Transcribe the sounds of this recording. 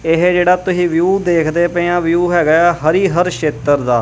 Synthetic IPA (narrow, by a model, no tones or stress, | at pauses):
ɪɦd͡ʒeːɽaːt̪ʊsĩːʋjuːd̪eːkʰd̪eːpẽãːʋjuːɦɛːɡəaːɦəɾiːɦəɾʃeːt̪əɾd̪aː